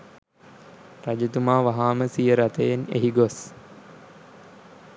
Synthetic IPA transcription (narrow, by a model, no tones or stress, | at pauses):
rad͡ʒut̪umaːʋaɦaːməsijəɾat̪əjenḛɦiɡos